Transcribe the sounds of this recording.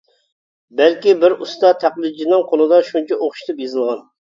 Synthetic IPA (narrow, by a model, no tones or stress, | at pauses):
bælkʲibɪɾust̪ɑt̪ʰæqlˠɨd̪d͡ʒinɨŋqʰolˠɨd̪ɑʃunt͡ʃʰɛʔoχʃi̥t̪ʰɨpjezɨlˠʁɑn